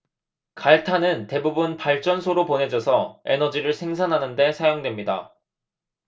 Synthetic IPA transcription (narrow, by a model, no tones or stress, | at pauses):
kaɭtʰanɯnte̞bubunpaɭt͡ɕ͈ʌnsʰoɾoponɦe̞d͡ʑʌsʰʌe̞̰nʌd͡ʑiɾɯɭsʰe̞ŋsʰanɦanɯnde̞sʰajoŋdwe̞mɲida̰